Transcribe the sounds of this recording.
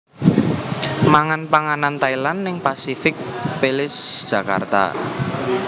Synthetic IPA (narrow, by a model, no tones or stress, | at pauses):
maŋanpaŋanant̪ailanːɪŋpasifɪk̚pelɪsd̥ʒ̥a̤ka̰rt̪a̰